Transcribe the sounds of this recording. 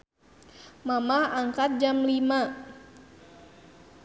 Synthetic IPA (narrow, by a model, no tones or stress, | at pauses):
mamaaŋkat̪̚d͡ʒamlima